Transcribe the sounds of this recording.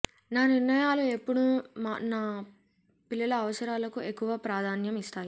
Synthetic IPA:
naːniɾnɐjaːlue̞pːuɽumanaː | pilːɐlɐːʋɐsɐɾaːlɐkue̞kːuʋɐpɾaːd̪ʱaːnjɐmist̪aːji

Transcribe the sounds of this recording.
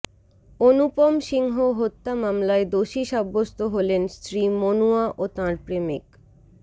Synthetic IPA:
onupomʃiŋɦoɦot̪ːamamlaed̪oʃiʃabːost̪oɦolenst̪ɾimonuaʔot̪ãɾpɾemik

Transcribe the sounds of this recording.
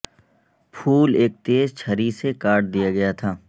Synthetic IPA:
pʰuːleːk̚t̪eːzt͡ʃʰɐɾisekaːʈd̪ijaɡɐjat̪ʰaː

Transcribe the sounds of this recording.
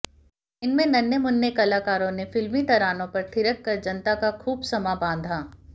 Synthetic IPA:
ɪnmẽnɐnjəmʊnːekɐlaːkaːɾõnefɪlmit̪ɐɾaːnõpɐɾt̪ʰɪɾəkːɐɾd͡ʒɐnt̪akaxʰuːbsɐmabãːnd̪ʱaː

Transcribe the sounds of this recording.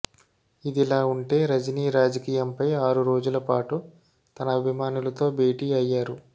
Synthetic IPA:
id̪ilaːuɳʈe̞ːɾɐd͡ʒɐniːɾaːd͡ʒɐkiːjɐmpɐjaːɾuɾo̞ːd͡ʒulɐpaːʈu | t̪ɐnɐːbʱimaːnulɐt̪o̞ːbe̞ːʈiːɐjːaːɾu

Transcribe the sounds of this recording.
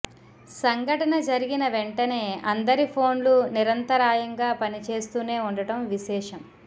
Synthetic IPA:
sɐŋɡʱɐʈɐnɐd͡ʒɐɾiɡinɐʋeɳʈɐne̞ːɐnd̪ɐɾipʰo̞ːnluniɾɐnt̪ɐɾaːjɐŋɡaːpɐnit͡ʃe̞ːst̪uːne̞ːuɳɖɐʈɐmʋiʃɛːʂɐm

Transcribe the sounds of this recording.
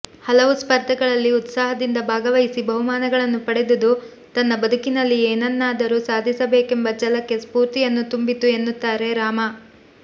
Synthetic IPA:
hɐlɐʋuspɐɾd̪ʱɐɡɐɭɐlːiut̪saːɦɐd̪ind̪ɐbʱaːɡɐʋɐjisibʱɐɦumaːnɐɡɐɭɐnːupɐɽed̪ud̪u | t̪ɐnːɐbɐd̪ʱukinɐlːieːnɐnːaːd̪ɐɾusaːd̪ʱisɐbeːke̞mbɐd͡ʒɐlɐkːe̞spuːɾt̪ijɐnːut̪umbit̪ue̞nːut̪ːaːɾe̞ɾaːmɐ

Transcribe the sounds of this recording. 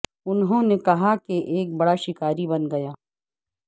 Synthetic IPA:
ʊnɦõnekɐɦakeʔeːk̚bɐɽaʃɪkaːɾibɐnɡɐjaː

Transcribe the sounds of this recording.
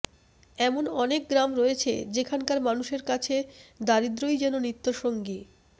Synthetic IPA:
ɛmonɔnek̚ɡɾamɾoet͡ɕʰḛd͡ʑekʰankaɾmanuʃeɾkat͡ɕʰed̪aɾid̪ɾojd͡ʑɛnonit̪ːoʃoŋɡi

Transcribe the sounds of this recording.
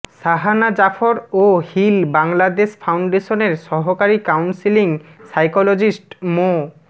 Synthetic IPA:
saɦanad͡ʑafʰoɾohilbaŋlad̪eʃpʰawɳɖeʃoneɾʃɔɦokaɾikawnsiliŋsajkolod͡ʑisʈmo

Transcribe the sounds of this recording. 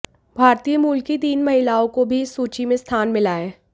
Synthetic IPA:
bʱaːɾt̪ijəmuːlkit̪iːnmɐɦɪlaːõkobʱisuːt͡ʃimẽst̪ʰaːnmɪlaːeː

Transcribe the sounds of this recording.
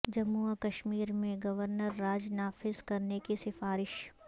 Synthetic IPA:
d͡ʒɐmːuakɐʃmiːɾmẽɡɐʋəɾnəɾːaːd͡ʒnaːfɪzkɐɾnekisɪfaːɾɪʃ

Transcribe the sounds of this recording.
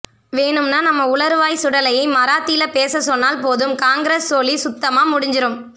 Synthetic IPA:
ʋeːɳɯmnaːnɐmːɐʊɭɐɾɯʋaːjsʊɽɐlɐjɐɪmɐɾaːt̪ːɪlɐpeːsɐsɔnːaːlpoːðɯmkaːŋɡɪɾeːsːoːlisʊt̪ːɐmaːmʊɽɪɲd͡ʒɪɾɯm

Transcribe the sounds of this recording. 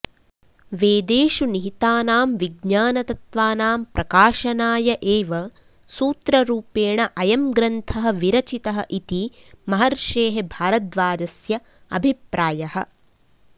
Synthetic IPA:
ʋeːd̪eːʃuniɦit̪aːnaːmʋiɡɲaːnɐt̪ɐt̪ʋaːnaːmpɾʔɐkaːʃɐnaːjɐʔeːʋɐ | suːt̪ɾɐɾuːpeːɳɐʔɐjɐmɡɾɐnt̪ʰɐɦɐ̆ʋiɾɐt͡ʃit̪ɐɦɐʔit̪i | mɐɦɐɾʃeːɦebʱaːɾɐt̪ʋaːd͡ʒɐsjɐ | ɐ̰bʱipɾaːjɐhɐ̰̆

